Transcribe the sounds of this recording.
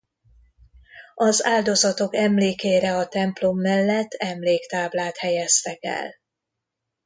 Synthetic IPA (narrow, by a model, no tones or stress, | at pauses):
ɒzaːld̪o̞zɒt̪o̞kɛmleːkeːɾɛɒt̪ɛmplomːɛlːɛt̪ːɛmleːkt̪aːblaːt̪hɛjɛst̪ɛkɛ̰l